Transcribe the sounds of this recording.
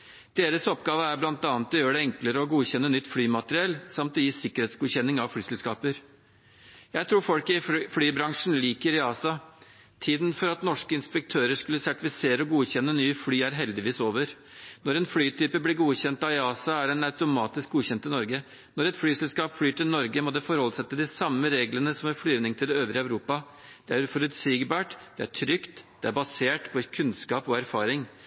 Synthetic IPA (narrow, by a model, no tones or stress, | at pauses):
d̪̥eːɾəsɔpɡɑːʋəæɾblɑnt̪ɑːnət̪ɔjøːɖɛɛŋkləɾəɔɡuːçɛnːənʏt̪ːflyːmɑt̪əɾɪɛlsɑmt̪ɔjiːsɪkːəɾheːt̪sɡuːçɛnːɪŋɑʋflyːsɛlskɑːpəɾ | jæɪt̪ʰɾuːɾfɔlkɪflyːbɾɑŋʂn̩liːkəɾɪɑːsɑ | t̪ʰiːd̪nfɔɾɑt̪nɔʂkəɪnspɛk̚t̪ʰøːɾəʂkʉlːəsæʈɪfɪseːɾəɔɡuːçɛnːənyːflyːæɾɦɛld̪ɪʋiːsoːʋəɾ | nɔɾɛnflyːt̪ʰyːpəblɪɾɡuːçɛnt̪ɑɪɑːsɑæɖɛnɑʉt̪ʊmɑːt̪ɪsk̚ɡuːçɛnt̪ɪnɔɾɡə | nɔɾɛt̪flyːsɛlskɑːpflyːʈɪlnɔɾɡəmɔd̪ɛfɔɾhɔlsɛt̪ːəd̪ɪsɑmːəɾeːɡlənəsɔmæflyːnɪŋt̪ʰɪlɛøːʋɾəɑʉɾuːpɑ | d̪̥ɛæɾfɔɾʉt̪siːɡbɑːʈd̪̥ɛæ̰ʈʰɾʏkt̪d̪̥ɛæɾbɑseːʈpʰɔkʰʉnskɑːpɔæɾfɑːɾɪŋ